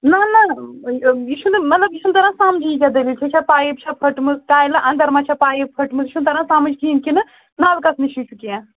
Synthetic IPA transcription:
nɐnɐ | jiʃunɨmɐt̪lɐbiʃʰunt̪ɐɾãsaːmd͡ʒiikʲad̪ɐʋit͡ʃʰit͡ʃʰapaːjib̚t͡ʃʰapʰɐʈmɨzʈaːjlɐʔɐ̃nd̪ɐɾmãt͡ʃʰapaːjipʰɐʈmɨziʃʰunt̪ɐɾãsaːmɨd͡ʒkiinkʲinɨ | naːlkɐsniʃʰit͡ʃʰukiã

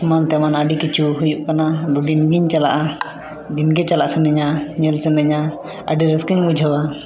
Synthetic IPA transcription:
mant̪ɛmanaɖikit͡ʃuɦujuʔkanad̪ud̪inɡiɲt͡ʃala̰ʔa | d̪inɡɛt͡ʃalaʔsɛnɛɲaɲɛlsɛnɛɲa | a̰ɖiɾɛskiɲbud͡ʒʱəwa

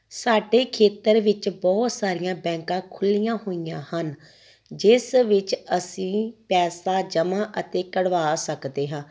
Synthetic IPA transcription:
saːɖeːkʰeːt̪əɾʋɪt͡ʃbɔːt̪saːɾɪjãːbɛ̃ːŋkãːkʰʊlːijãːhoːijãːhən | d͡ʒɪsʋɪt͡ʃəsĩːpɛːsaːd͡ʒəmãːʔət̪eːkəɽʋaːsəkd̪eːɦãː

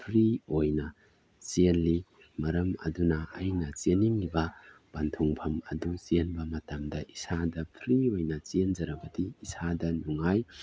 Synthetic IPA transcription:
pʰɾiojnɐ | t͡ʃenli | mɐɾɐmɐ̰dunɐːjnɐt͡ʃeniŋibɐb̥antʰuŋpʰɐmɐ̰dut͡ʃenbɐmɐtamdɐʔisadɐpʰɾiojnɐt͡ʃend͡ʒɐɾɐbɐdiisadɐnuŋaj

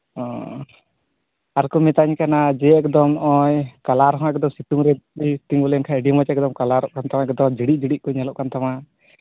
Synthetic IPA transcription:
ɔ | aɾkumɛt̪aɲkanad͡ʒɛɛkd̪ɔmʔɔjkalaɾɦɔ̃ɛk̚d̪ɔmsiʈuŋɾɛit̪iŋbɔlɛnkʰaɛɖimɔt͡ʃɛɛk̚d̪ɔmkalaɾɔʔkant̪awaɛkd̪ɔmd͡ʒiɽiʔ̚ˀd͡ʒiɽiʔ̚kɔɲalɔʔkant̪ama

